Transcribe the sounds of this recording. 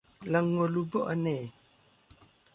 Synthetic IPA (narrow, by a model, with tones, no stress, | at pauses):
lə˨ŋːo˨lu˨bɔ˦ʔa˦˨nɛ˨